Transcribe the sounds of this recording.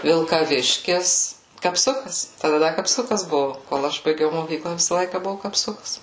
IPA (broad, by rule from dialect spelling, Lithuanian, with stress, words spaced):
ʋʲɪlˠkɐˈʋʲɪʃʲkʲɪs kɐpˈsʊkɐs tɐˈdɐ ˈdɐ kɐpˈsʊkɐs ˈbʊʋʊ koːlˠ ˈɐʃ bɐɪˈɡʲɛʊ moːˈkʲiːklˠɐ ˈʋʲɪsɐ ˈlˠɐɪkɐ ˈbʊʋʊ kɐpˈsʊkɐs